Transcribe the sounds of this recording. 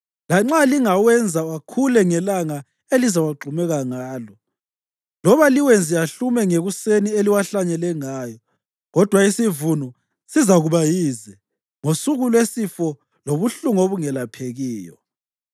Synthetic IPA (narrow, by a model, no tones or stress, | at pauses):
laŋ͡ǁaliŋawɛnd͡zʱawakʰulɛŋɛlaŋa | elizawaɡ͡ǃʱumɛɣaŋaːlɔ | lɔβaliwend͡zʱiaɬumɛŋeɣusenieliwaɬaɲɛlɛŋaːjɔ | ɣɔd̥ʱwaisivunɔ | sizaɣuβajiːzɛ | ŋosuɣulwesifɔ | loβuɬuŋoβuŋɛlapʰeɣiːjɔ̰